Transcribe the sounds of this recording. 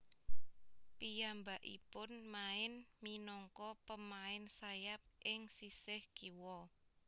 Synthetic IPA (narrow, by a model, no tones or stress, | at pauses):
pijambaʔḭpʊnmaɪnminɔŋkɔpəmaɪnsajap̚ʔɪŋsisɪhkiwɔ